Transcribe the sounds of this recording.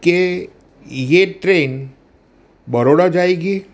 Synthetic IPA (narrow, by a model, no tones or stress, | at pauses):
ke | jeʈɾen | bəɾoɽad͡ʑaeɡiː